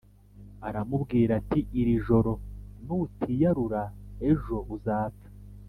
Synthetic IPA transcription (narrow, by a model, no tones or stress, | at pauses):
aɾamubɡiːɾatiʔiɾiʒo̞ɾo̞nutʰijaɾuɾae̞ʒo̞uzaːtḁ